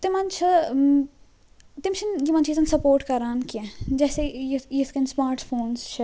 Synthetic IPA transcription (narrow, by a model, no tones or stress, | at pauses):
t̪ɪmɐnt͡ʃʰɐ | t̪ɪmt͡ʃʰinjimɐ̃nt͡ʃiːzɐnsɐpoːɾʈkɐɾaːnkiɛ̃d͡ʒɛːsejijiskɛnsmaːɾʈfʰoːnsʃʰɐ